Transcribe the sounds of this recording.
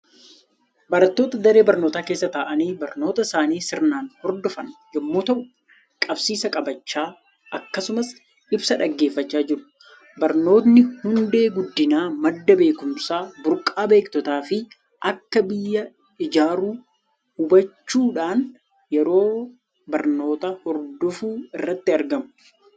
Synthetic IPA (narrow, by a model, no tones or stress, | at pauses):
bɐɾɐt̪ːo̞ːt̪ɐd̪ɐɾe̞ːbɐɾnoːt̪aːke̞ːsːɐt̪aːʔɐniːbɐɾno̞ːt̪ɐsaːniːsɪɾnaːnhɔɾd̪ɔfɐnd͡ʒɛmːoːt̪ɐʔʊ | kʼɐbsiːsɐkʼɐbɐt͡ʃːaː | ʔɐkːɐsʊmɐs | ɪbsɐᶑɐɡːe̞ːfːɐt͡ʃːaːd͡ʒɪɾʊ̥ | bɐɾno̞ːt̪nɪhʊnd̪e̞ːɡʊd̪ːɪnaːmɐd̪ːɐbe̞ːkʊmsaːbʊɾkʼːaːbe̞ːkt̪ɔt̪aːfɪ | ʔɐkːɐbɪjːɐ | ɪd͡ʒaːɾuː | hʊbɐt͡ʃːuːᶑaːn | jɛɾo̞ː | bɐɾno̞ːt̪ɐhɔɾd̪ɔfuːɪrːɐt̪ːɪɐɾɡɐmʊ̥